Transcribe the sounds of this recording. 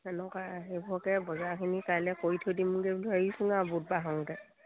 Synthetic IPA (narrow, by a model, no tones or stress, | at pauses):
ɛnɔkaɦebɔkɛbɔzakʰinikajlɛkojtʰodimuɡɛblaisuŋabut̚baɦaŋdɛ